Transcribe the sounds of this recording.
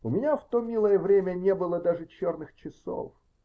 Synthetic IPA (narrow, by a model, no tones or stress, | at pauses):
ʊmʲɪnʲaft̪o̞mʲilˠəjəvɾʲemʲənʲebɨlˠəd̪aʐɨt͡ɕornɨxt͡ɕɪso̰f